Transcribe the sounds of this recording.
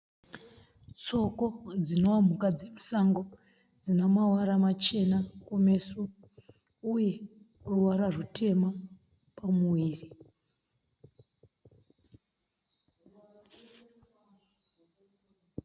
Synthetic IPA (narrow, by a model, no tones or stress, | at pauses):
t͡so̞ko̞d͡zino̞wam̤ukad͡zemusaŋɡo̞ | d͡zinamawaɾamat͡ʃe̞nakume̞su | uje̞ | ruwaɾarutʰe̞ma | pamuwiːri